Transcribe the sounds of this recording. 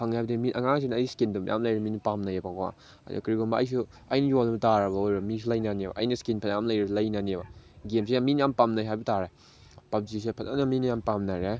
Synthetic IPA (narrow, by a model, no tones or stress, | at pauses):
pʰaŋajbdimiʔɐŋaŋsinajskindumjʔa̰mlajɾminipamnajapakwa̰ | da̰kɾiɡombaɐ̰js̬u | ɐjnijolnɐbɐtaɾɐbaojɾɐbmis̬ulajnaniebɐ̰ʔːjnɐskinpʰajamlajɾalajnaniebaɡems̬ejaminjampamnajɦajbɐtaɾa | pap̚zis̬epʰatanaminɐjampamnaɾe